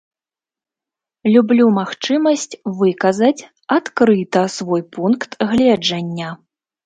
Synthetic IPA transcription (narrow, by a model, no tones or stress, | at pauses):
lʲublʲumaxt͡ʂɨmɐsʲt͡sʲvɨkɐzɐt͡sʲ | at̪kɾɨt̪ɐsvɔjpunkt̪ɣlʲɛd͡ʐɐnʲːɐ